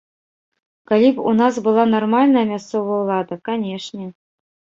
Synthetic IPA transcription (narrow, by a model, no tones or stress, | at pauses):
kalʲipṵnɑs̬bɨlˠɑnɐrmalʲnəjəmʲast̪sovəjulˠɑd̪əkanʲeʂnʲɛ